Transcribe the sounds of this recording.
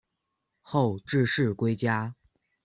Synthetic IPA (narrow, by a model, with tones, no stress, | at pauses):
xo˥˧ʊʈ͡ʂɻ̩˥˧ʂɻ̩˥˩kwe˥ɪt͡ɕja˥